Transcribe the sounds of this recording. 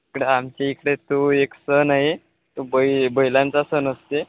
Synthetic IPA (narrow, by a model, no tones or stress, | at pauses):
ikɽeamt͡ɕeikɽet̪oeksənaɦe | t̪obəibəjlãnt͡sasənəst̪e